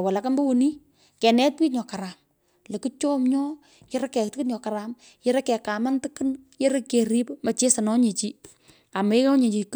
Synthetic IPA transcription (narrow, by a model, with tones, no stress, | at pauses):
wa˨la˨ka˦mbo˦wuni˦ | kɛ˨nɛ˦t̚wi˦tɲɔ˨ka˨ɾa˨m | le˨kɨ˦t͡ʃɔ˦mɲɔ˦ | jɪ˦ɾa˦kɛ˨k̚tɨ˦kɨ˦nɲɔ˨ka˨ɾa˨m | je˦ɾe˦kɛ˨ka˨ma˦ntɨ˦kɨ˦nje˦ɾe˦ke˨ɾi˦pmɐ˨t͡ʃe˦sa˨nɔ˦ɲe˨t͡ʃi˦ | a˨ma˨e˦kɔ˦ɲe˨t͡ʃi˨k